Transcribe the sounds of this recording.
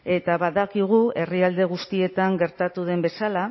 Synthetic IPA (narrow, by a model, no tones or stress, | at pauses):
e̞t̪aβaðakiɣ̞ue̞riald̪e̞ɣ̞ust̪ie̞t̪aŋɡe̞ɾt̪at̪uðe̞mbe̞sala